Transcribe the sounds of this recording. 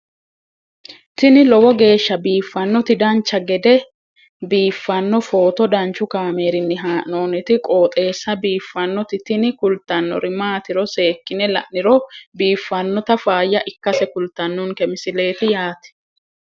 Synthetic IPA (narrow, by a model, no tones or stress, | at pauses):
t̪ɪnɪlɔwɔɡe̞ːʃːɐbiːfːɐnːɔt̪ɪd̪ɐnt͡ʃːɐɡɛd̪ɛ | biːfːɐnːɔfo̞ːt̪ɔd̪ɐnt͡ʃːʊkaːmeːɾɪnːɪɦaːnoːnɪt̪ɪkʼoːt̪ʼe̞ːsːɐbiːfːɐnːɔt̪ɪt̪ɪnɪkʊlt̪ːɐnːɔ̰ɾɪmaːt̪ɪɾɔse̞ːkːɪnɛlɐ̰ʔnɪɾɔbiːfːɐnːɔt̪ɐfaːjːɐʔɪkːɐsɛkʊlt̪ɐnːʊnkɛmɪsɪle̞ːt̪ɪjaːt̪ɛ̥